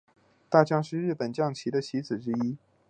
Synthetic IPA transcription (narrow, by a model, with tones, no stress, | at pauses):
t̪a˥˩t͡ɕjɑ˥ŋʂɻ̩˥˧ɻɻ̩˥˩pə˨˩nt͡ɕjɑ˥˩ŋt͡ɕʰi˧˥d̪ə˧t͡ɕʰi˧˥d͡zɹ̩˨˩ʈ͡ʂɻ̩˥i˥